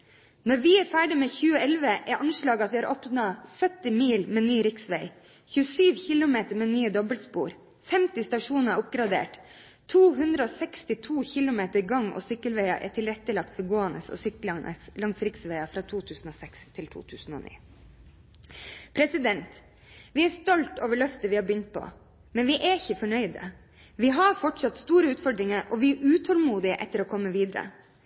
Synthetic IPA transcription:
nɔɾʋɪæɾfæːɖɪmeːçʉːəɛlʋəʔæɾʔɑnʂɭɑːɡəɑt̪ʋɪːhɑːɾʔɔpnɑsœt̪ːɪmiːlmeːnyːɾɪksʋæɪ | çʉːəsyːʋçɪlʊmeːt̪əɾmeːnyːəd̪ɔbəlspṵːɾ | fɛmt̪ɪst̪ɑʂuːnəʊp̚ɡɾɑd̪ḛːʈ | t̪ʰuːɦʉnd̪ɾəoːsɛkst̪ɪt̪ʰuːçɪlʊmeːt̪əɾɡɑŋo̰ːsʏkːəlʋæɪɑ̰ʔæ̰ʈʰɪlɾɛt̪ːəlɑkt̪fɔɾɡoːɛnə̰sɔ̰ːsʏklɑnə̰slɑŋsɾɪksʋeɪɑfɾɑt̪ʰuːt̪ʰʉːsn̩oːsɛkst̪ʰɪlt̪ʰṵːt̪ʰʉ̰ːsn̩o̰ːnḭː | pʰɾɛsɪd̪ɛnt̪ | ʋɪæst̪ɔlt̪o̰ːʋəɭœft̪əʋɪhɑbʏnt̪̚pʰɔ̰ | mɛnʋɪʔæɪçəfɔɳœʏd̪ə̰ | ʋɪɦɑɾfɔʈʂɑt̪st̪uːɾəʉːt̪fɔɖɾɪŋəɾʔɔʋɪʔʉːt̪ʰɔlmuːd̪ɪəʔɛ̰t̪ːəɾoːkʰɔmːəʋiːd̪əɾə̰

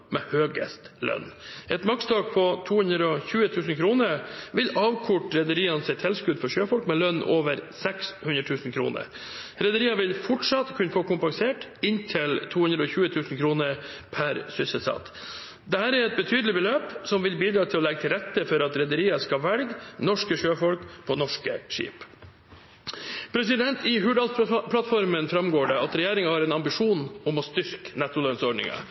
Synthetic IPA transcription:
mɛhøːɡə̰st̪lœ̰nːʔɛt̪mɑkst̪ʰɑːɡ̚pʰɔt̪ʰuːhʉnd̪ɾəɔçʉːət̪ʰʉːsn̩kʰɾuːnəɾʋɪlɑːʋkʰʊʈɾɛd̪əɾiːɑnsɛt̪hɛlskʉːd̪fɔʂøːfɔlkmɛlœnːoːʋəɾsɛkshʉnɾət̪ʰʉːsn̩kʰɾṵːnə̰ɾ | ɾɛd̪əɾiːɑʋɪlfɔʈʂɑt̪kʰʉnəfoːkʊmpɑŋseːʈɪnt̪ʰɪlt̪ʰuːhʉnd̪ɾəɔçʉːət̪ʰʉːsnkʰɾuːnəɾpʰæɾsʏsəsɑ̰t̪ | d̪ɛhæːɾɛɾɛt̪̚bət̪ʰyːd̪əlɪbəløːpsɔmʋɪlbiːd̪ɾɑːt̪ʰɪlɔlɛɡət̪ʰɪlɾɛt̪ːəfɔɾɑt̪ɾɛd̪əɾiːɑskɑʋɛlɡnɔʂkəʃøːfɔlkpʰɔnɔʂkəʂḭːp | pʰɾɛsɪd̪ɛnt̪ɪɦʉɖɑlpʰlɑt̪fɔɾmənfɾɑmɡoːɖɛɑt̪ɾɛjeːɾɪŋɑhɑːɾɛnɑmbɪʂuːnʊmɔst̪ʏɾknɛt̪ːʊlœnsɔɖɳɪ̰ŋɑ̰

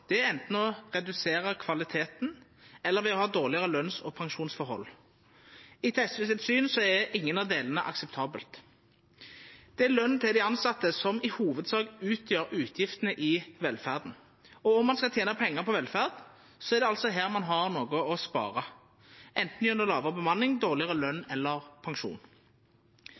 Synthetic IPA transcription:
d̪̥ɛɛnt̪n̩ɔʁɛd̪ʉseːʁəkʰʋɑlɪt̪ʰeːt̪n | ɛlːəɾʋɪɔhɑːd̪oːʁlɪəʁəlœnsɔpʰɑŋʃuːnsfɔɾɦɔ̰lː | ɪt̪ʰɛst̪ʋiːs̬ət̪syːnsɔɛɛʔɪŋːənɑd̪eːlənəʔɑ̰ksɛp̚t̪ʰɑːbəlt̪ | d̪̥ɛɛlœnt̪ʰɪld̪ɪɑnsɑt̪ːəsɔmɪhuːʋəd̪sɑːɡʉːt̪ʰjøːɾʉːt̪ʰjɪft̪ənəʔɪʋɛlfæːʁd̪n̩ | ɔɔmːɑnskɑlt̪jeːnəpʰɛŋːəʁpʰɔʋɛlfæːʁd̪ | sɔɛʁd̪ɛɑlt̪sɔɦeːʁmɑnɦɑʁnoːɡʊɔspɑ̰ːʁɑ | ʔɛnt̪n̩jœnəlɑːʋəʁəbəmɑnːɪŋd̪oːʁlɪəʁəlœnːɛlːəʁpʰɑŋʂṵːn

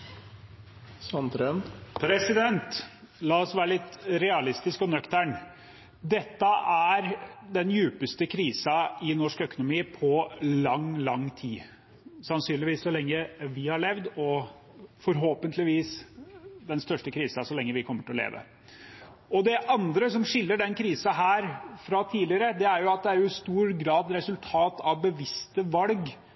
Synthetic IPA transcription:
sɑnt̪ɾənpʰɾɛsɪd̪ɛnt̪ | lɑːɔsʋæːɾəlɪt̪ːɾɛɑlɪst̪ɪskɔnœkt̪æɳ | d̪ɛt̪ːəʔæɾd̪ɛnjʉːpəst̪əkʰɾiːsɑɪnɔʂkœkʊnʊmiːpʰɔlɑŋlɑŋt̪ʰiː | sɑnsyːnlɪʋiːsːɔlɛŋːəʋɪhɑɭɛʋd̪ɔ | fɔɾɦoːpənt̪ʰlɪʋiːs | d̪ɛnst̪œʂʈəkʰɾiːsɑsɔlɛŋːəʋɪkʰɔmːəʈʰɪlɔlḛːʋə̰ | ɔd̪ɛʔɑnd̪ɾəsɔmʂɪlːəɖɛnkʰɾiːsɑɦæːɾfɾɑt̪ʰiːlɪəɾəd̪ɛæɾjʊɑt̪̚d̪ɛæɾjʊɪst̪uːɾɡɾɑːd̪ɾɛsʉlt̪ʰɑːt̪ʰɑʋbəʋɪst̪əʋɑlɡ

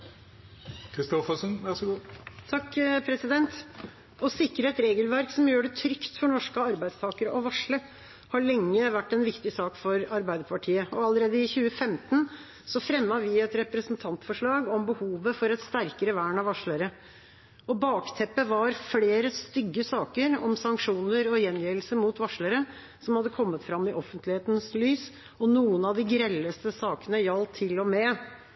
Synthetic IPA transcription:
kʰɾɪst̪ɔfəsənʋæɾsɡuːt̪ʰɑkːpʰɾɛsɪd̪ɛnt̪ | ɔsɪkːɾəɛt̪ɾeːɡəlʋæɾksɔmjøːɖɛt̪ʰɾʏkt̪fɔɳɔʂkəɑɾbæɪd̪st̪ʰɑːkəɾəʔɔʋɑʂɭə | hɑɭɛŋːəʋæʈːɛnʋɪkt̪ɪsɑːkfɔɾɑɾbæɪd̪əpʰɑʈʰiːəɔɑləɾeːd̪əɪçʉːəfɛmt̪ən | sɔfɾɛmːɑʋɪɛt̪ɾɛpɾəsnt̪ʰɑnt̪fɔʂɭɑːɡɔmbəhuːʋəfɔɾɛt̪st̪æɾkəɾəʋæːɳɑʋɑʂɭəɾə | ɔbɑːkt̪ʰɛpːəʋɑɾfleːɾəst̪ʏɡːəsɑːkəɾɔmsɑŋkʂuːnəɾɔjɛnjiːlsəmut̪ʋɑʂɭəɾə | sɔmhɑd̪ːəkʰɔmːət̪fɾɑmːɪʔɔfənt̪lɪheːt̪nslyːs | ɔnuːənɑd̪ɪɡɾɛlːəst̪əsɑːkənəjɑlt̪ʰːɪlɔmɛ

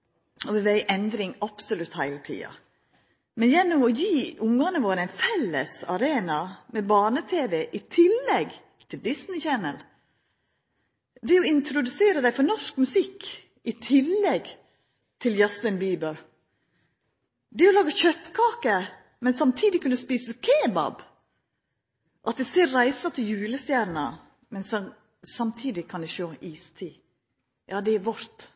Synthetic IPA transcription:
ɔʋɛʋæɪʔɛnd̪ɾɪŋɑb̥sʊlʉt̪hæɪlət̪ʰḭːɑ̰ | mɛnjɛnːɔmɔjiːʊŋɑnəʋoːɾəæɪnfɛlːə̰sɑɾeːnɑmɛbɑːnət̪ʰeːʋɛʔɪt̪ʰɪlːɛɡ | t̪ʰɪld̪ɪsnɪçɛnəl | d̪ɛɔɪnt̪ɾʊd̪ʉseːɾəd̪æɪfɔɾnɔʂkmʉsɪk | ʔɪt̪ʰɪlːɛɡ | t̪ʰɪljɑst̪ənbiːbəɾ | d̪ɛɔlɑːɡɑçœt̪ːkʰɑːkə | mɛnsɑmt̪ʰiːd̪ɪkʉnːəspiːsəkʰeːbɑ̰b | ʔɑt̪̚d̪ɛseːɾɾæɪsɑt̪ʰɪljʉːləst̪jæːɾnə | mɛns | sɑmt̪ʰiːd̪ɪkʰɑnd̪ɛʃoːʔiːst̪ʰiː | jʔɑːd̪ɛæɾʋɔɾt̪

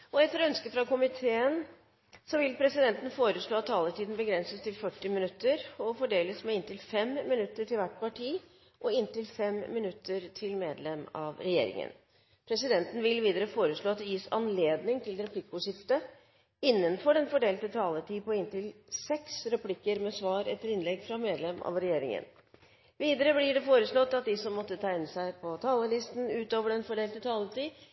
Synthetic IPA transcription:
ɔɛt̪ːəɾɔœnskəfɾɑkʊmɪt̪ʰeːən | sɔʋɪlpʰɾɛsɪd̪ɛnt̪n̩foːɾəʂɭoːɑt̪ʰːɑːləʈʰiːd̪n̩bəɡɾɛnsəst̪ʰɪlfœʈːɪmɪnʉt̪ːəɾɔfɔɖeːləsmɛɪnt̪ɪlfɛmmɪnʉt̪ːəʈʰɪlʋæʈːpɑʈʰiː | ʔɔɪnt̪ɪlfɛmːɪnʉt̪ʰːəɾt̪ʰɪlmeːd̪lɛmɑ̰ʋɾɛjḛːɾɪ̰ŋə̰n | pʰɾɛsɪd̪ɛnt̪ən̩ʋɪlʋiːd̪əɾəfoːɾəʂɭoːɑt̪̚d̪ɛjiːsɑ̰nleːd̪nɪŋt̪ʰɪlɾɛpʰlɪkːʊɕɪft̪ə | ɪnːənfɔɖɛnfɔɖeːlt̪ət̪ʰɑːlət̪ʰiːpɔɪnt̪ɪlsɛksɾɛpʰlɪkːəɾmɛsʋɑːɾɛ̰t̪ːəɾɪnlɛɡfɾɑmeːd̪lɛmɑ̰ʋɾɛjeːɾɪ̰ŋə̰n | ʋiːd̪əɾəblɪɖɛfoːɾəsɭɔt̪ːɑt̪̚d̪ɪsɔmːɔt̪ːət̪ʰæːɪnəsæɪpʰɔt̪ʰɑːləlɪst̪n̩ʉːt̪oːʋəɖɛnfɔɖeːlt̪ət̪ʰɑːlət̪iː

